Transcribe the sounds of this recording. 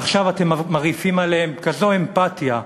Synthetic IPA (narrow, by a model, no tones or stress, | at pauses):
aχʃavatemmaʁifimaleemkazo̞e̞mpatja